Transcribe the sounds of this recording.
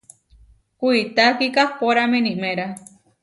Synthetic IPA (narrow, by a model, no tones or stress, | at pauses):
kʷuit̪akikahpoɾamẽnĩʔmẽɾa